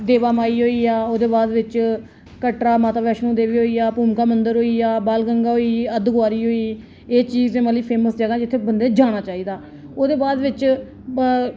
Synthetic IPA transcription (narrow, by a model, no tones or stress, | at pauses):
d̪eːʋaːmaːiːɦoːiːaːoːd̪eːbaːd̪ʋɪt͡ʃ | kəʈɾaːmaːt̪aːʋɛːʃnũːd̪eːʋiːɦoːiːaːpuːmkaːmənd̪əɾɦoːiːaːbaːlɡəŋɡaːɦoːiːəd̪ɡʊaːɾiːɦoːiː | eːt͡ʃiːzẽːməliːpʰeːməsd͡ʒəɡaːd͡ʒɪt̪ʰːeːbənd̪eːd͡ʒaːɽ̃aːt͡ʃaːiːd̪aː | oːd̪eːbaːd̪ʋɪt͡ʃ